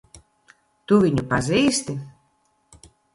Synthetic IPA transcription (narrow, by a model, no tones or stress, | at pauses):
t̪uvʲiɲʲupaziːst̪ʲi